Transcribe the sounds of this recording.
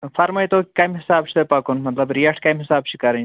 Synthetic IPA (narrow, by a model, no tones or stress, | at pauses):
fɐɾmɐit̪oːikɐjmɦɪsaːb̚t͡ʃʰi̥t̪epɐkunmɐt̪lɐbɾijɐʈʰkɐjmɦɪsaːbt͡ʃʰi̥kɐɾɐ